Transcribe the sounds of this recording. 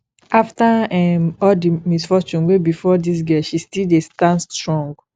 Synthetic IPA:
aftaɛ̃ɔldimisfɔt͡ʃũnwebifɔdis̬ɡɛʃistildestãnstɹɔ̃ŋɡ

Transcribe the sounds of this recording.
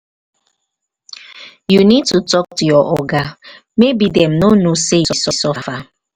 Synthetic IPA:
junid̚tutɔk̚tujɔʔɔɡa | mebidɛm̩nonosejsɔsɔsɔfa

